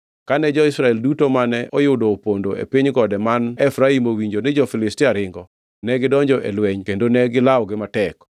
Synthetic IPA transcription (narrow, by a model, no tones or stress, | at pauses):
kanɛd͡ʒɔɪsɾaɛldutomanɛʔɔjʊdoːpondoḛpiɲɡɔdɛmanɛfɾaimowiɲd͡ʒonɛd͡ʒɔfɪlɪstɪaɾɪŋɡɔ | nɛɡɪdɔɲd͡ʒɔʔɛ̰lwɛɲkendonɛɡɪlaɔɡɪmatɛk